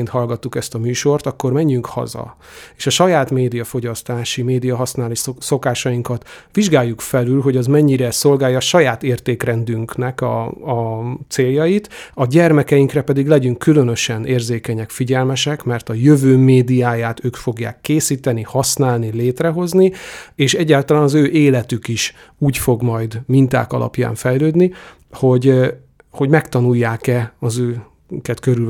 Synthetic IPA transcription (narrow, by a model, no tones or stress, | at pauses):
nt̪hɒlɡɒt̪ːukɛst̪ɒmyːʃo̞rt̪ɒkːo̞rmɛɲːyŋkhɒ̰zɒ̰ | eːʃɒʃɒjaːt̪meːd̪ijɒfoɟɒst̪aːʃimeːd̪ijɒɦɒsnaːliso̞kaːʃɒjiŋkɒt̪ʋiʒɡaːjːukfɛlylɦo̞ɟɒzmɛɲːiɾɛso̞lɡaːjɒːʃɒjaːt̪eːrt̪eːkrɛnd̪yŋknɛkɒ̰ɒt̪seːljɒjit̪ɒɟɛrmɛkɛjiŋkrɛpɛd̪iɡlɛɟyŋkːylønø̞ʃɛneːrzeːkɛɲɛkfiɟɛlmɛʃɛkmɛrt̪ɒjøvøːmeːd̪ijaːjaːt̪øːkfo̞ɡja̰ːkːeːsiːt̪ɛnihɒsnaːlnileːt̪rɛɦo̞znieːʃɛɟːaːlt̪ɒlaːnɒzøːʔeːlɛt̪ykiʃ | uːcfo̞ɡmɒjd̪mint̪a̰ːkɒ̰lɒ̰pja̰ːɱfɛjløːd̪ni | ho̞ɟ | ho̞ɟmɛkt̪ɒnujːaːkɛɒzøː | kɛt̪køɾy